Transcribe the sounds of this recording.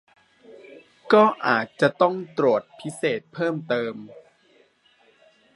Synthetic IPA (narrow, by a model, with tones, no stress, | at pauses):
kɔː˥˩ʔaː˨˩t̪̚t͡ɕa˨˩t̪ɔ˥˩ŋt̪ɾu˨˩ət̪̚pʰi˦˥seː˨˩t̪̚pʰɤː˥˩mt̪ɤː˧m